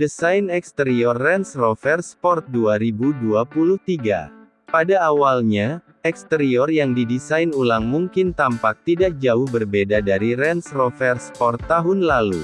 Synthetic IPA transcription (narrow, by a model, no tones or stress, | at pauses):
dəsajnɛkst̪əɾiɔrːɛnsrɔfɛrspɔrt̪̚duaɾibuduapuluht̪iɡa̰ | padaːwalɲa | ɛkst̪əɾiɔrjaŋdidisajnulaŋmuŋkɪnt̪ampak̚t̪idak̚d͡ʒaʊhbərbedadaɾiɾɛnsrofɛrspɔrt̪ːaɦʊnlalṵ